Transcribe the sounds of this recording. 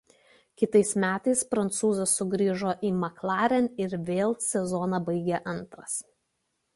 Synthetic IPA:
kʲɪt̪ɐɪsmʲæːt̪ɐɪspɾɐnt̪suːzɐsːʊɡɾʲiːʒoːʔiːmɐklˠɑːɾʲɛnɪɾʋʲeːlˠsʲɛzɔːnɑbɐɪɡʲeʔɐnt̪ɾɐs

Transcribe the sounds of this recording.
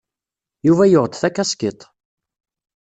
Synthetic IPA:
juvæjʊʁd̪θækːæskɪt̪ˤ

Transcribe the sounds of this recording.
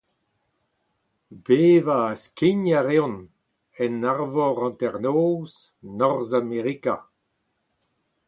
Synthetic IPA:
beːvaːskiɲaʁeɔ̃n | ɛnaʁvɔʁɑ̃nt̪ɛʁnoːz | nɔʁzameʁika

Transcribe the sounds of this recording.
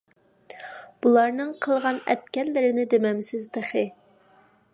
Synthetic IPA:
b̥ulˠɑɾnɨŋqʰəlˠʁɑnɛ̰t̪̚kʲɛlːɪɾɪnɪd̪emɛmsɪzd̪əχɨ

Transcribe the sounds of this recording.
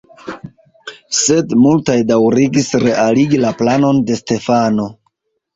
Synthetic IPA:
se̞dmultajdawɾiɡisɾe̞ʔaliɡilaplano̞nde̞ste̞fano̞

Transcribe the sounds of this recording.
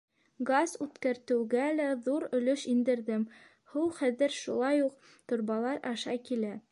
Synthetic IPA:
ɡazʉt̪kæɾt̪ɘ̆wɡælæðuɾɵ̆lɵʃind̪ɘ̆ɾðɘm | hɤwχæðɘɾʃulˠɑjuq | t̪ŏɾβɑlˠɑɾɑʃɑkilæ

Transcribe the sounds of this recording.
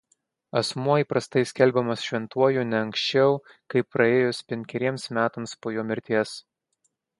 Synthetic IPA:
ɐsmuɔipɾɐst̪ɐɪsʲkʲɛlʲˑbʲɛmɐsʃʲʋʲɛnt̪uɔjuːnʲɛɐŋʲkʲsʲt͡ʃʲɛʊ | kɐɪpːɾɐeːjʊspʲɛŋʲkʲɛɾʲiɛmsmʲæːt̪ɐmspoːjoːmʲɪɾʲt̪ʲiɛs

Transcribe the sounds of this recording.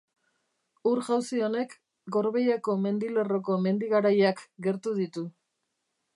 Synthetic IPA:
uɾʝawsio̞ne̞k | ɡo̞ɾβe̞jako̞me̞nd̪ile̞ro̞ko̞me̞nd̪iɣaɾajakɡe̞ɾt̪uðit̪u

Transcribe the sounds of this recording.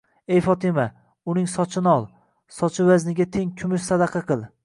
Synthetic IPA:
ejfɒt̪ʰɪma | ʊnɪŋsɒt͡ʃʰɪnɒlˠ | sɒt͡ʃʰɪvaznɪɡʲat̪ʰeŋkʲʰʊmɪʃsad̪ɑqʰɑqʰɨlˠ

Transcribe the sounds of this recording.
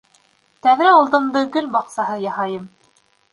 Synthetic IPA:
t̪æðɾæɑlˠt̪ɤ̆md̪ɤkɵlbɑqsɑɦɤjɑhɑjɤm

